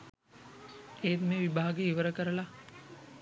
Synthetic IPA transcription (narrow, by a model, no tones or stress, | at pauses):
ejt̪meːʋibʱaːɡeiʋəɾəkəɾəla